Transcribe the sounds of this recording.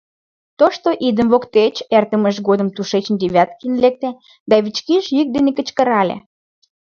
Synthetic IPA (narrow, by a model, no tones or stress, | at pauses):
t̪oʃt̪oʔid̪əmvokt̪et͡ɕert̪əməʃɡod̪ə̆mt̪uʃet͡ɕə̆nd̪iβʲæt̪̚kinlek̚t̪e | d̪ɑβit͡ɕkiʒjik̚d̪enekə̆t͡ɕkə̆ɾɑlʲḛ